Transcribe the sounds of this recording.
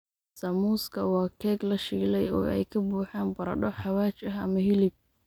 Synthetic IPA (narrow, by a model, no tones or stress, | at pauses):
sɐmuːskʰɐwɑːkʰɛːɡlɐʃiːlɛjɔ̰ːɛ̰jkʰɐbuːħaːnbɐɾɐ̰ɖɔħɑwaːt͡ʃɐɦɐ̰mɐɦɪlɪb̚